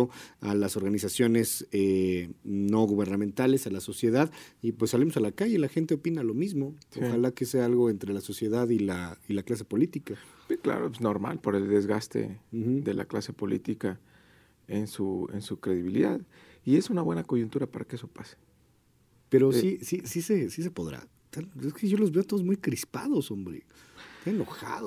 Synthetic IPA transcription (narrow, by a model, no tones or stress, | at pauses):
oalaso̞ɾɣanisasjo̞ne̞se | no̞ɣuβe̞ɾnamẽnt̪ale̞salaso̞sje̞ðaðipwesːalimo̞salakaʝe̞laxe̞nt̪eo̞pinalo̞mizmo̞soxxalakeseaalɣo̞e̞nt̪ɾe̞laso̞sje̞ðaðilailaklas̬e̞̥po̞lit̪ika | bekla̰ɾoenoɾma̰lpo̞ɾe̞ld̪e̞zɣast̪e̞̰x̩ðe̞lʔa̰klase̞po̞lḭt̪ika | ensuḛnsukɾe̞ðiβ̞iliðað | ie̞sunaβwe̞nako̞ʝunt̪uɾapaɾakeesopase̥ | pe̞ɾosisisisesis̬e̞po̞ðɾa̰ | t̪aneskeʝo̞lo̞zβe̞ot̪oðozmujkɾispaðo̞sombɾḛ | t̪aneno̞xa̰ðo